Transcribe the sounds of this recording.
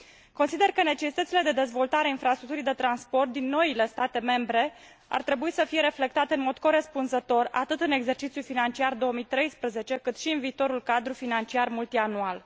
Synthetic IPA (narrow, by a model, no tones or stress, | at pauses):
ko̞nsid̪e̞rkəne̞t͡ʃe̞sit̪ət̪siled̪e̞d̪e̞zvo̞lt̪aɾeainfɾast̪ɾuk̚t̪uɾijd̪e̞t̪ɾanspo̞rt̪̚d̪inːo̞ile̞st̪at̪e̞me̞mbɾe̞ | a̰rt̪ɾe̞buisəfije̞ɾe̞fle̞k̚t̪at̪e̞ɨnmo̞d̪ko̞ɾe̞spunzət̪o̞ra̰t̪ɨt̪ɨne̞ɡze̞rt͡ʃit̪sjulfinant͡ʃiard̪o̞omijt̪ɾe̞jspɾəze̞t͡ʃe̞kɨt̪ʃiɨnviːt̪o̞ɾulkad̪ɾufinant͡ʃiarmult̪ianual